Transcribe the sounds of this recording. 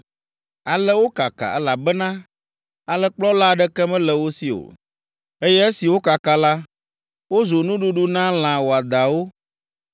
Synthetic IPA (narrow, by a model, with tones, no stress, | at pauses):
a˨lɛ˦wo˦ka˨ka̰˨ɛ˦la˨bɛ˦nã˦ | a˨lɛ˦k͡plɔ˦la˦ɖɛ˦kɛ˦mɛ̃˦lɛ˨wo˦si˨o̰˨ | e˦jɛ˦e˦si˨wo˦ka˨ka˨la˦ | wo˦zo˨nũ˦ɖu˦ɖu˦nã˦l̃ã˨wo˨a˨d̪a˨wo˦